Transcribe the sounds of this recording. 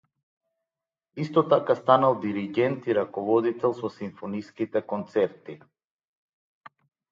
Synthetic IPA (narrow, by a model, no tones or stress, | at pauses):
ist̪ɔt̪akast̪analˠd̪iɾiɡʲɛnt̪iɾakɔvɔd̪it̪ɛlˠsɔsiɱfɔniskit̪ɛkɔnt̪sɛɾt̪i